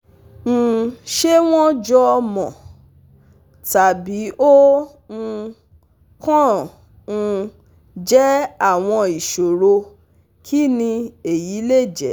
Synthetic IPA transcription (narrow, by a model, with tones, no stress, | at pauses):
ñ̩˨ʃe˦w̃ɔ̃˦d͡ʒɔ˧mɔ̃˨ | ta˨bi˨˦ʔõ˦˧ | kɔ̃˦˧ | d͡ʒɛ˦a˦˨w̃ɔ̃˧i˨ʃo˨ɾo˧ | kʰi˦nĩ˧e˨ji˨˦le˦˨d͡ʒɛ˨